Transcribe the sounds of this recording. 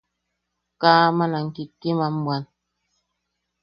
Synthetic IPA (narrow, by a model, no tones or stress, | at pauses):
kaːmanaŋ̩kikːimambwan